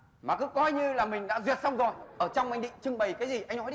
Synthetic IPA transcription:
maː˨˩kɨ̰˨˦kɔ˧jɲɨ˧laː˨˩mï˨˩ŋ̟ɗa̰ː˧˥zwi˨˩ət̚sa˧wŋ͡mzo˨˩jʔəː˧˩t͡ɕɔ˧wŋ͡mʔa˧jŋ̟ɗḭ˧˨ŋ̟t͡ɕɨ˧ŋɓə˨˩jkaː˨˦jzi˨˩ʔa˧jŋ̟nɔ˨˦ɗi˧

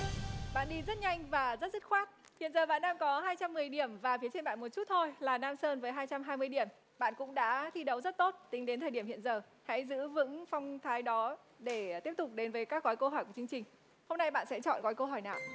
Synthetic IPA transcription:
ɓa̰ː˧˨nɗi˧zə˦˥t̚ɲa˧jŋ̟vaː˨˩zə˦˥t̚zt̚xwaː˦˥t̚hḭ˧˨ənzəː˨˩ɓa̰ː˧˨nːaː˧mkɔ˨˦ɦaː˧jt͡ɕa˧mːɨ˨˩əjɗi˧˩əmvaː˨˩fi˨˦ət͡ɕe˧nɓa̰ː˧˨nmo˨˩t̚t͡ɕu˦˥t̚t̪ʰo˧jlaː˨˩naː˧msəː˧nvəː˨˦jɦaː˧jt͡ɕa˧mɦaː˧jmɨ˧əjɗi˧˩əm | ɓa̰ː˧˨nkʊ̰˧˥ŋ͡mɗa̰ː˧˥t̪ʰi˧ɗə˨˦wzə˦˥t̚t̪o˦˥t̚t̪ï˨˦ŋɗe˨˦nt̪ʰəː˨˩i˧˩əmḭ˧˨ənzəː˨˩ | ha̰˧˥jzɨ̰˧˥vɨ̰˧˥ŋfɔ˧wŋ͡mt̪ʰaː˨˦jɗɔ˨˦ | ɗe˧˩t̪i˦˥əp̚t̪ʊ˨˩k͡p̚ɗe˨˦nvəː˨˦jkaː˦˥k̚ɣɔ˨˦jkə˧hɦɔ˧˩jku˧˩t͡ɕɨ˧ə˧ŋt͡ɕï˨˩ŋ̟ | ho˧ŋ͡mna˧jɓa̰ː˧˨nsɛ̰˧˥t͡ɕɔ̰˧˨nɣɔ˨˦jkə˧ɦɔ˧˩jnaː˨˩w

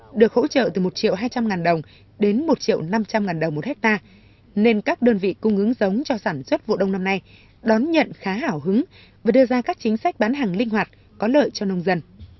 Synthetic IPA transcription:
ɗɨ˨˩ək̚ho̰˧˥t͡ɕə̰ː˧˨t̪ɨ˨˩mo˨˩t̚t͡ɕḭ˧˨əwɦaː˧jt͡ɕa˧mŋaː˨˩nɗə˨˩wŋ͡m | ɗe˨˦nmo˨˩t̚t͡ɕḭ˧˨əwna˧mt͡ɕa˧mŋaː˨˩nɗə˨˩wŋ͡mmo˨˩t̚hɛ˦˥k̚t̪aː˧ | ne˧nkaː˦˥k̚ɗəː˧nvḭ˧˨kʊ˧ŋ͡mhɨ˨˦ŋzə˨˦wŋ͡mt͡ɕɔ˧saː˧˩nswə˦˥t̚vo̰˧˨ɗə˧wŋ͡mna˧mna˧j | ɗɔ˨˦nɲə̰˧˨nxaː˨˦ɦaː˧˩wɦɨ˨˦ŋ | vaː˨˩ɗɨ˧əzaː˧kaː˦˥k̚t͡ɕï˨˦ŋ̟sa˦˥k̟̚ɓaː˨˦nɦaː˨˩ŋlï˧ŋɦwaː˨˩t̚ | kɔ˨˦lə̰ː˧˨jt͡ɕɔ˧nə˧wŋ͡mzə˧n

